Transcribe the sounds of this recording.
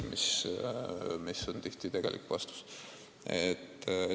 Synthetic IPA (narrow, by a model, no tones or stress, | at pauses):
mis | misont̪iht̪it̪eɡ̥e̞lʔḭkːˑvɑst̪u̥s | et̪ː